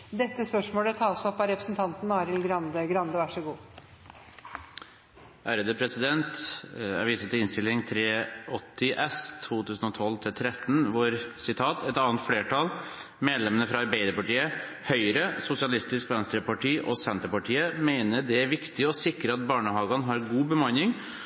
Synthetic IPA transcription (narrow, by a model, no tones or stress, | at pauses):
d̪ɛt̪ːəspœʂmoːlət̪ʰɑːsɔpːɑɾɛpɾəsn̩t̪ʰɑnt̪nɑːɾɪlɡɾɑnd̪əɡɾɑnd̪əʋæʂəɡuː | ʔæːɾəd̪əpʰɾɛsɪd̪ɛnt̪æ̰ɾʋiːsət̪ɪɪnst̪ɪlːɪŋt̪ʰɾeːɔt̪ʰːɪʔɛst̪ʰuːt̪ʉːsn̩ɔt̪ʰɔlt̪ʰɪlt̪ʰɾɛt̪ːn̩ʋʊɾsɪt̪ʰɑːt̪ʰɛt̪ɑːənt̪fleːʈʰɑl | meːd̪lɛmənəfɾɑɑɾbeɪd̪əɾpɑʈiːə | hœʏɾəsʊsɪɑlɪst̪ɪskʋɛnst̪ɾəpɑʈiːʔɔsɛnt̪əɾpɑʈʰiːəmeɪnəɖɛæɾʋɪkt̪ɪɔsɪkɾəɑt̪̚bɑːɳəhɑːɡɑnɦɑɾɡuːbəmɑnːɪŋ